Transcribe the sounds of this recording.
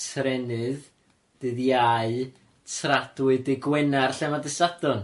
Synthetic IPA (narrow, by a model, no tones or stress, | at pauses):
tʰrɛnɨð | d̥ɨðjaɨ | tʰradwɨdɪɡwɛnarɬɛmadɪsadɔn